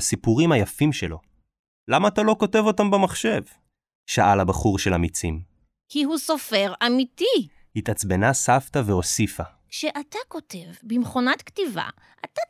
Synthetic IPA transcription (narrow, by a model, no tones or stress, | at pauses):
asipuʁimhajafimʃelo̞ | lamaːt̪alo̞ko̞te̞vo̞tambemaχʃe̞v | ʃaʔalabaχuʁʃelamit͡sim | kiɦusofe̞ʁamiti | hitat͡sbe̞nasaftave̞o̞sifa | ʃeʔatako̞te̞vbimχonat̪ktiva̰ | ʔa̰ta